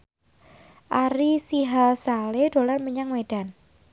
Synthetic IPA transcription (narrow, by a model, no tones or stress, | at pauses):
ʔaɾisiɦalsaleɖ̥o̤larməɲaŋweɖ̥a̤n